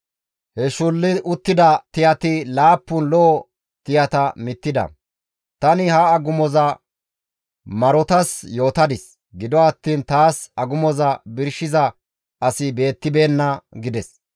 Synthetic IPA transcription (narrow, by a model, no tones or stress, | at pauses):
hɛʃʊlːɪʔʊt̪ːɪd̪ɐt̪ɪjɐt̪ɪlaːpːʊnlɔɔ | t̪ɪjɐt̪ɐmɪt̪ːɪd̪ɐ̰ | t̪ɐnɪhɐːɡʊmɔzɐ | mɐɾɔt̪ɐsjo̞ːt̪ɐd̪ɪs | ɡɪd̪ɔɐt̪ːiːnt̪aːsɐɡʊmɔzɐbɪɾʃɪzɐ | ɐsɪbe̞ːt̪ːɪbe̞ːnːɐɡɪd̪ɛs